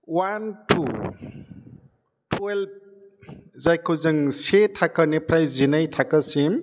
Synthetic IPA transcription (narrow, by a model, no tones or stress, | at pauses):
wantʰu | tʰwelb̚ | zajkʰozɯŋsetʰakənepɾajzinajtʰakasim